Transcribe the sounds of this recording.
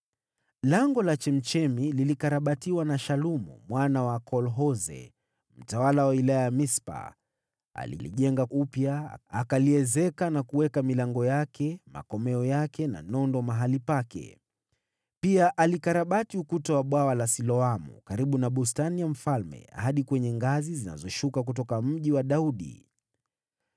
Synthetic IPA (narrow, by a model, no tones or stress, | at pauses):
laŋɡɔlat͡ʃɛm̩t͡ʃɛmililikaɾaɓatiwanaʃalumṵmwanawakʰɔlɦɔzɛ̰ | m̩tawalawailajajamispa̰ | a̰lḭlḭʄɛŋɡaʔupja̰akaliɛzɛkanakuwɛkamilaŋɡɔjakʰɛma̰kɔmɛɔjakɛna̰nɔndɔmaɦalipakɛ̰ | piaʔalikaɾaɓatiukutawaɓwawalasilɔamṵkaɾiɓunaɓustanijam̩falmɛ̰haɗikwɛɲɛŋɡazizina̰zɔʃukak̬ut̬ɔkam̩ʄiwaɗauɗḭ